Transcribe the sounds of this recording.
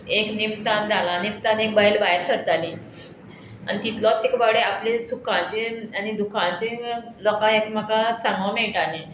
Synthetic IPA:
eknimt̪and͡zʱalãːnet̪ãnek̚baɦelbajɾsəɾt̪ali | a̰nit̪it̪lɔt̪ːekbaɽeaplesukʰãt͡ɕeanid̪ukʰãt͡ɕe | lɔkaekmakasãŋɡʋameɭʈale

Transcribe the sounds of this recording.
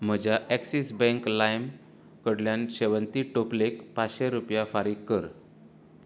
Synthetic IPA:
m̤əd͡ʑaʔɛksisbɛ̃ŋklajm | kəɽljãnɕeʋənt̪iːʈoplekpat͡sɕeɾupjafaɾiːɡkəɾ

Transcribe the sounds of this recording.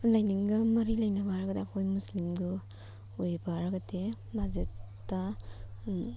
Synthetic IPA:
lajniŋɡɐmɐɾilɐjnabaɾaɡɐdeakʰojmuslimɡu | ojbaɾaɡɐde | bʱazetː | a

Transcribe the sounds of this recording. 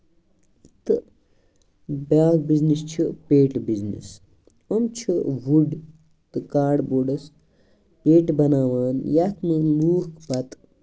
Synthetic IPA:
t̪ɨ | baːk̚biznist͡ʃʰipeːʈbiznḭs | omt͡ʃʰiʋuɖ | t̪ɨkaːɖboːɖɐs | peːʈbɐnaːʋaːnjɐt̪miluːhkbɐt̪

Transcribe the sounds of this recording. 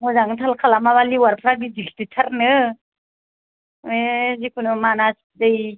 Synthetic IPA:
muzaŋtʰalkʰalamaβaliwaɾpʰɾaɡiziktitʰaɾnɯ | wezikʰunɯmanas | dɯj

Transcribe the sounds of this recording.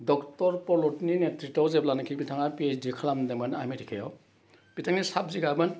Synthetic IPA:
dɔktɔɾpɔlɔtninetɾitɔwzeblankʰipitʰaŋapiesdikʰalamdemɯnamitʰikʰejɔw | pitʰaŋnisap̚ziɡabɯn

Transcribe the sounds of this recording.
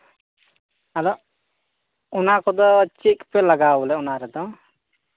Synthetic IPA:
ad̪ɔ | ɔnakɔd̪ɔːt͡ʃikpɛlaɡabɔlɛɔnaɾɛd̪ɔ

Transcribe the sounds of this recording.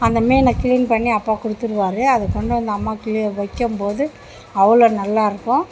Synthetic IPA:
ɐnd̪ɐmeːɪnɐkɪlɪnpɐɳːiɐpːaːkʊɽɯt̪ːɯɾɯʋaːɾɯɐðɯkːɔɳɖɐɐnd̪ɐɐmːaːkɪliʋɐkːɯmpoːðɯ | ɐʋɐɭoːnɐlːaːɪɾɯkːʊ̃

